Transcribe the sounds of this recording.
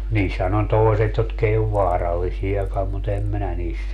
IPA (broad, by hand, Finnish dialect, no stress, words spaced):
niːshæn on toeset jotk ei oʋ ʋɑːrɑlːisiɑkɑm mut em minæ niːst